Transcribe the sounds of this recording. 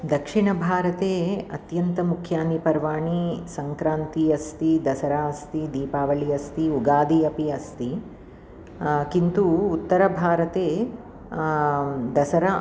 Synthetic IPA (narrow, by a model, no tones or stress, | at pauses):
d̪ɐkʂiɳɐbʱaːɾɐt̪eːɐt̪jɐnt̪ɐmukʰjaːnipɐɾʋaːɳisɐŋkɾaːnt̪iɐst̪id̪ɐsɐɾaːɐst̪id̪iːpaːʋɐɭiɐst̪iuɡaːd̪iɐpiɐst̪i | kint̪uːt̪ːɐɾɐbʱaːɾɐt̪eː | d̪ɐsɐɾɐ